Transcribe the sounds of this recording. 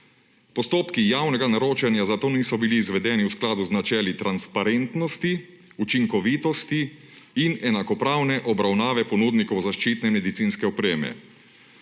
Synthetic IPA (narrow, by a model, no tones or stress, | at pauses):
pɔst̪oːpkijaːwnɛɡanaɾoːt͡ʃɛnjazat̪oːniːsɔbiliːzʋɛd̪ɛːniwsklaːd̪uznat͡ʃɛːlit̪ɾanspaɾent̪nɔst̪i | ut͡ʃiŋkɔʋiːt̪ɔst̪iː | nɛnakɔpɾaːwnɛʔɔbɾawnaːʋɛpɔnud̪nikɔwzaʃt͡ʃiːt̪nɛmɛd̪it̪siːnskɛɔpɾeːmɛ̰